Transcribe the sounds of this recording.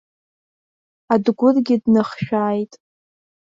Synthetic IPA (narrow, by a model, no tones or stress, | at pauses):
adɡʷʊrɡʲɪdnɨχʃᶣaːjtʼ